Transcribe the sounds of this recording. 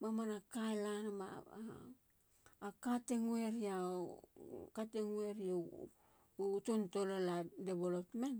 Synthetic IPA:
mamanakajlanama̰ | kateŋuwe̞ɾia | kateŋwe̞ɾia | tonto̞loladebolotmen

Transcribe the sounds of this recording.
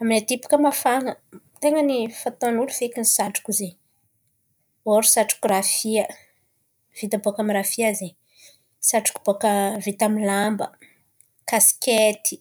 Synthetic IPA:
aminat̪ipu̥kəmafaŋət̪eŋənifat̪anulufekinisaʈ͡ʂu̥kuze | oɾusaʈ͡ʂu̥kurafiə | v̥it̪abokamiɾafiaze | saʈ͡ʂu̥ku̥b̥okəvit̪amilambə | kasi̥kʲet̪i̥

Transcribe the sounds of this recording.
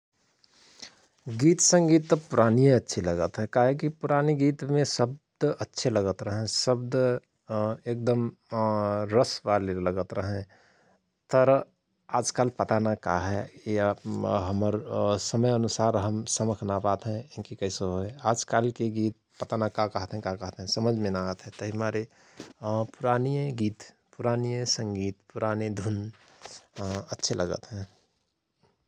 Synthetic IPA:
ɡiːt̪sə̃ŋɡiːt̪ːpʊɾaːnijətːʃʰeləɡət̪ɦɛkaɦekipuɾaniɡiːt̪mẽsəb̚d̪ətːʃʰeləɡət̪ɾəɦɛ̃səbd̪ | ek̚d̪əm | ɾəsʋaleləɡət̪ɾəɦɛ̃ | t̪əɾ | aːd͡ʒkaːlpət̪anaka̰ɦɛjaɦəməɾsəməjənusaːɾɦəmsəməkʰnabat̪ɦɛ̃ɪnkikəɦsoɦoeaːd͡ʒkalkeɡiːt̪̚pət̪anakakəɦt̪ɦɛ̃kakəɦt̪ɦɛ̃səməd͡ʒʱmẽnaat̪ɦɛ̃t̪əɦiɦmaɾe | pʊɾaːnijẽɡiːt̪ | pʊɾaːnijẽsə̃ŋɡiːt̪puɾaːned̪ʱun | ətːʃʰelʔəɡə̰t̪ɦɛ̃

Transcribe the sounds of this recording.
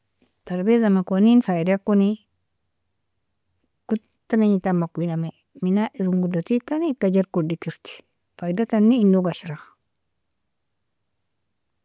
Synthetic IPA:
taɾbezamakoninfaidakuni | ku | taneɲitamakiname | minaʔiɾuŋɡudatikanikad͡ʒeɾkudikiɾti̥ | fajdatanːiːndoɡaʃiɾa

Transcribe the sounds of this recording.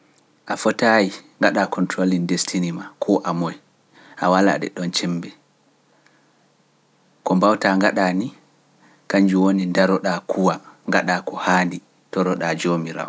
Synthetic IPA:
ʔafɔtajiŋɡaɗakɔntɾolindestʰinimakʰɔʔamɔj | ʔawala̰ɗɛ̰ɗɔnt͡ʃɛmbɛ | kɔmbawtaŋɡaɗaːni | kaɲd͡ʒuwonindaɾɔɗakʰuwaŋɡaɗakɔhaːndi | tɔɾɔɗad͡ʒomiɾa̰w

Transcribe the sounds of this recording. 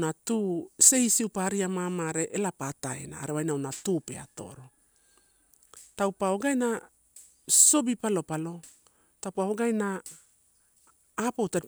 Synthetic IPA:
natuːse̞isiupaɾiamamaɾe̞ʔelapataḛna̰ːɾewajnawnatupe̞̰a̰to̞̰ɾo̞ | tawpaoɡajna | so̞bipalo̞palo̞ | tawpaoɡajna | powta

